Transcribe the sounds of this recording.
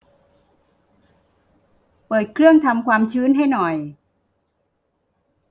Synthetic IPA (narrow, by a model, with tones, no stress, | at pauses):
pɤː˨˩t̪̚kʰɾɯ˥˩əŋt̪ʰa˧mkʰwaː˧mt͡ɕʰɯː˦˥nɦa˥˩jnɔ˨˩j